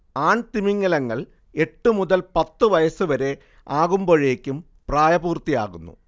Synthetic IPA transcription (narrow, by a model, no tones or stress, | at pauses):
aːɳt̪imiŋːɐlɐŋːɐɭ | e̞ʈːɨmuðɐlpɐt̪ːɨʋɐjɐsɨʋɐɾe̞ | aːɣumbo̞ːɻeːkʲːum | praːjɐbuːrt̪ːija̰ːɣunːṵ